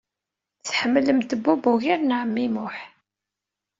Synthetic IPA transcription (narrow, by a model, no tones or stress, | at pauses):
θħəmːləmt̪əbːubuʝiɾnʕəmːimʊħ